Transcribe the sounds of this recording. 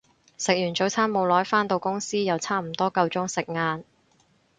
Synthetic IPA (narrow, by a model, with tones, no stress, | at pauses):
sɪ˨k̚jyː˨˩nt͡so˨˥wt͡sʰaː˥nmo˨˧wlɔː˨˥jfaː˥nt̪o˧wkʊ˥ŋsiː˥jɐ˨˧wt͡sʰaː˥m̩˨˩t̪ɔː˥kɐ˧wt͡sʊ˥ŋsɪ˨k̚ŋaː˧n